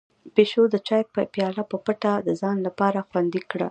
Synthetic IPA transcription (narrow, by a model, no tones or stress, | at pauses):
peʃod̪ət͡ʃɑjpəpjɑlapəpəʈad̪əzɑnlapɑɾaxwand̪ikɽa̰